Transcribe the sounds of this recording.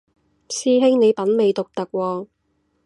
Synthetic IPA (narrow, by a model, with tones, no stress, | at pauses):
siː˥ɦɪ˥ŋne˨˧jpɐ˨˥nme˨˧jt̪ʊ˨k̚t̪ɐ˨k̚wɔː˧